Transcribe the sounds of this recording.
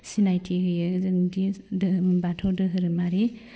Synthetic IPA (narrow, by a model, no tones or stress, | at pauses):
sinajtʰiɦɯjɯzɯŋdidɯbatʰɔdɯɦɯɾɯmaɾi